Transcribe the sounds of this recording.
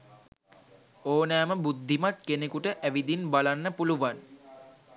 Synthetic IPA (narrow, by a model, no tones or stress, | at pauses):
oːnæːməbud̪ʱːimat̪kenekuʈəʔæʋid̪inbalanːəpuluʋan